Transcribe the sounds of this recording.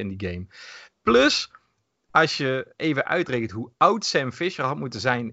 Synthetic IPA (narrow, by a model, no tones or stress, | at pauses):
ɪndiɡejmplɵs | ɑlˠsjəejvənʔœ̰ɥtrekən̩tɦuʌwtsɛmfɪʃərɦɑtmutəzɛjn